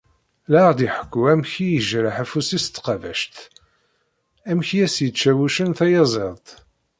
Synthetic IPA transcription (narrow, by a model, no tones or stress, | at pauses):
laʁd̪iħə̥kːuæmçijəʒɾəħæfusist̪ːqɑvæ̰ʃt̪ | æmçijæsjət͡ʃːæwuʃənθæjɑzˤeðˤt̪